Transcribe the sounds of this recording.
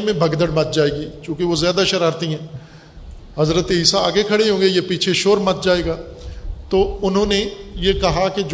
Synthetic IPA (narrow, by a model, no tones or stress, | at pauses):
mẽbʱɐɡd̪əɽmɐt̪̚d͡ʒaːeːɡiːt͡ʃõːkeʋozjaːd̪aʃɐɾaːɾt̪iɦɛ̃ː | ɦɐzɾət̪eɦɪsaaːɡekʰɐɽeɦõːŋɡejepiːt͡ʃʰeʃoːɾmɐt̪̚d͡ʒaːeːɡaː | t̪oːʊnɦõːnejekɐɦaked͡ʒ